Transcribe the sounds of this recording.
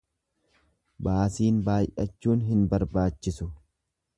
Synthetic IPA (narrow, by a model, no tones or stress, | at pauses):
baːsiːnbaːjʔɐt͡ʃːuːnɦɪnbɐɾbaːt͡ʃːɪsʊ